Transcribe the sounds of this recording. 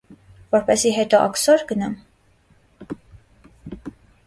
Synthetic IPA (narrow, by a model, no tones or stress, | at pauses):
vɔɾpɛsiɦɛt̪ɔʔɑ̰ksɔɾɡənɑm